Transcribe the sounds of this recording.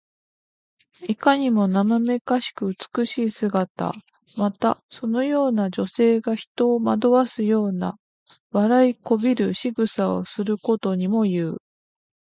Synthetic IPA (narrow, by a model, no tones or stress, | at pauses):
ikaɲ̟imo̞namame̞kaɕi̥kɯ̟ɯt͡sɨ̥kɯ̟ɕiːsɨɡat̪a̰ | mat̪aso̞no̞jo̞ːnad͡ʑo̞se̞ːɡaçi̥t̪o̞ːmad̪o̞βasɨjo̞ːna̰ | βaɾaiko̞bʲiɾɯ̟ɕiɡɯ̟sao̞̰sɨɾɯ̟ko̞t̪o̞ɲ̟imo̞jɯ̟ː